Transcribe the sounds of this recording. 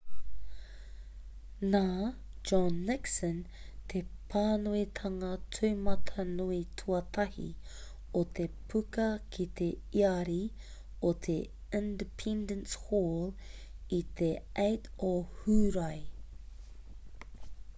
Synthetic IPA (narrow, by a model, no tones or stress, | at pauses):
naː | d͡ʒɔnːɪksə̃n | t̪ʰepʰaːnuit̪ʰɐŋɐtʰuːmɐt̪ʰɐnuitʰuɐt̪ʰɐhḭ | ot̪ʰepʰʉkɐkʰit̪e | iɐɾi | ot̪ʰe | ɪ̃ndəpʰɛ̃ndə̃nshɔl | it̪ʰeʔejtohuːɾaj